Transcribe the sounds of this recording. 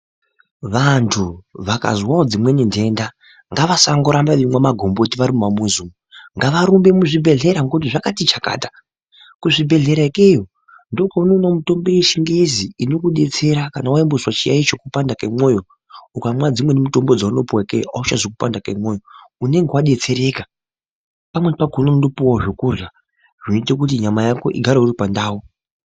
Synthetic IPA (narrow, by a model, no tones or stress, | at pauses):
ʋantʰuʋaka̰zwaod͡zimwe̞nindʱe̞nda | ŋɡaʋasaŋɡoɾambaʋimwamaɡʱo̞mbo̞tiʋaɾimumamuzumuŋɡaʋaɾumbe̞muʐibʱe̞ɮe̞ɾaŋɡotiʐakatit͡ʃaka̰ːtḁ | kuʐibʱe̞ɮe̞ɾaikejo | ndo̞paunonomuto̞mbieʃiŋɡeziino̞kuɗe̞t͡se̞ɾakanawaimbuswat͡ʃija̰it͡ʃokupandakemo̞ːjo̞ | ukamwad͡zimwe̞nemuto̞mbo̞d͡zauno̞puwaikejoʔaut͡ʃazokupandakamwoːjo̞une̞ŋɡewaɗe̞t͡se̞ɾe̞ːka | pamwepakononundopuwaʐokurja | ʐ̥initek̬ut̬iɲamajako̞̰ʔiɡʱaɾouɾipandaːwo